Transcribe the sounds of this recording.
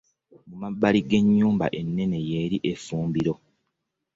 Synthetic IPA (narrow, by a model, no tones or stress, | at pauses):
mumabːaliɡe̞ɲːuːmba̰ʔe̞nːe̞ne̞je̞ːɾiʔe̞fuːmbiɾo̞